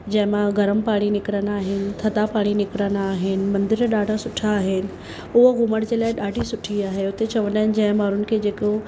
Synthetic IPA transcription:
d͡ʑɐ̃ɦɪ̃mãɡɐɾəmpaːɽ̃inɪkɾənaːɦɪnɪ̆t̪ʰɐd̪apaːɽ̃inɪkɾənaaːɦɪnɪ̆mɐ̃nd̪ɪɾɗaːɖʱasʊʈʰaːɦɪnɪ̆ | ʊɦɡʊməɽd͡ʑeːlaːɪɗaːɖʱisʊʈʰiaːɦeʊt̪et͡ɕɐʋənd̪aːɦɪnɪ̆d͡ʑɐ̃ɦɪ̃maːɾʊnɪ̆kʰeːd͡ʑeːko

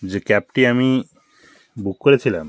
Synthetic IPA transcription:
d͡ʑekɛp̚ʈiami | bukːoɾet̪ʰila̰m

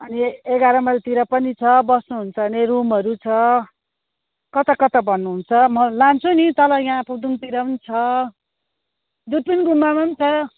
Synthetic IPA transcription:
ʌnieɡaɾʌmʌlt̪iɾʌpʌnit͡sʰʌbʌsnuɦunt͡sʰʌːnerumʌɾut͡sʰʌ | kʌt̪ʌkʌt̪ʌbʱʌnːuɦunt͡sʰʌmʌlant͡sʰunit̪ʌlʌjãpud̪unt̪iɾʌpʌnit͡sʰʌ | d̪ud̪̚pʌniɡumːamʌnt͡sʰʌ

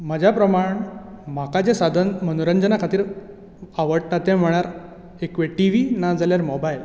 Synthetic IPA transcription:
mad͡ʑʱapɾəmaɳmakad͡ʑesad̪ʱənmənuɾəɲd͡ʑənakʰat̪iːɾ | aʋəɽʈat̪ɛ̃m̤əɽ̃aɾ | ekʋeʈiʋinad͡zaljaɾmɔbajl

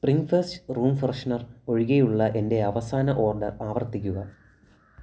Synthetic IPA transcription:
spriŋɡfestruːmfrɐʂɐnɐro̞ɻiɣejuɭːɐʔe̞nde̞ɐʋɐsaːnɐʔo̞ːrɖɐraːʋɐrt̪ikʲːuɣɐ

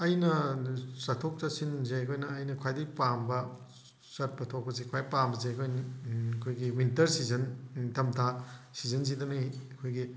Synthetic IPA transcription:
ɐjnɐsɐtʰok̚tɐsinzeɐkʰojnɐːjnɐkʰwajdiɡpambɐ | sɐt̚pɐtʰok̚pɐsikʰwajpambɐzeɐkʰojnɐkʰojɡiwintɐɾsizɐntɐmtʰasizɐnzidɐnijɐkʰojɡi

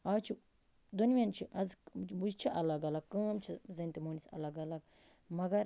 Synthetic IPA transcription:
at͡ʃʰi | d̪unʋʲjɐnt͡ʃʰiʔɐzbuzt͡ʃʰiʔɐlɐɡɐlɐɡkːɐ̃ːmt͡ʃʰizɐnt̪imoːnisɐ̰lɐɡɐlɐɡ | mɐɡɐɾ

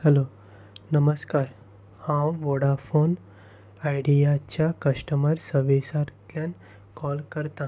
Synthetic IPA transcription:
hɛlo | nəməskaɾ | hãwʋoɽafon | ajɽijat͡ɕjakəʂʈəməɾsəʋesaɾt̪jan | kɔlkəɾt̪ã

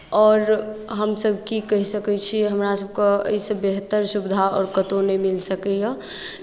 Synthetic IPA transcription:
ɔːɾɦəmsəb̚ʱkikəɦisəkɛt͡ʃʰiɦəmɾasəb̚keə̰isəbeɦət̪ːəɾsubd̪ʱaɔ̰ːɾkət̪onəmilsəkɛjə

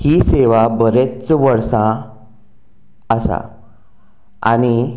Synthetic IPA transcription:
hiːseʋabəɾet͡sʋəɽsã | əsa̰ | a̰ñi

